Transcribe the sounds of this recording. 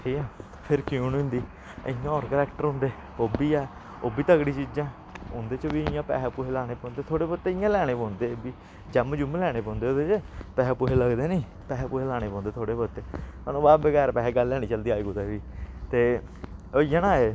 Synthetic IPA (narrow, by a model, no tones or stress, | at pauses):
ʈʰiːkãː | pʰɪɾkjuːnʊ̃nd̪iː | ə̰jãɔːɾkəɾɛːkʈəɾɦʊ̃nd̪eː | oːbiːɛː | oːbiːt̪əɡɽiːt͡ʃiːd͡ʒãː | ʊ̃nd̪eːt͡ʃəʋiːɪjãːpɛ̰ːpuɦeːlaːɽ̃eːpɔ̃ːnd̪eːt̪ʰoːɽeːpot̪ːeːɪjãːlɛːɽ̃eːpɔ̃ːnd̪eːbiː | d͡ʒɛːmd͡ʒʊmlɛːɽ̃eːpɔ̃ːnd̪eoːd̪eːt͡ʃəpɛːɦpuɦeləɡd̪eːniː | pɛːɦpuːɦeːlaːɽ̃eːpɔ̃ːnd̪eːt̪ʰoːɽeːpət̪eːmaːnõːbaːbəɡɛːɾpɛːɡəlːɛːɽ̃iːt͡ʃəld̪iːaːiːɡut̪ɛːʋiːt̪eː | ojãnãːeː